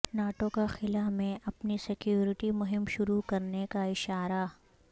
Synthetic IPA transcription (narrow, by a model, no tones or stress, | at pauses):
naːʈõkaxɪlamẽʔɐpnisɪkjuːɾɪʈimʊɦɪmʃʊɾukɐɾnekaɪʃaːɾa